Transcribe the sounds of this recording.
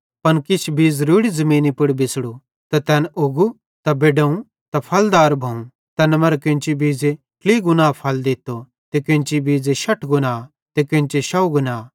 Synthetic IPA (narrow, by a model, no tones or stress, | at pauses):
pɐnkɪt͡ʃʰbʱiːzɾuːɽizɐmĩːnipɪɽbɪsɽu | t̪ɐt̪ɛːnʔʊɡu | t̪ɐbeːɖɐũ | t̪ɐpʰɐld̪aːɾbʱɐũ | t̪ɛːnmɐɾkẽnt͡ʃibiːd͡ze | kliːɡʊnaːpʰɐld̪ɪt̪ːo | t̪ekẽnt͡ʃibiːd͡zeʃɐʈʰɡʊnaː | t̪ekẽnt͡ʃeʃɐuɡʊnaː